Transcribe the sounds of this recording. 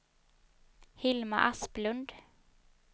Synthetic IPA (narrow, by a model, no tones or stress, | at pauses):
hɪlma̰ʔasplɵnd̪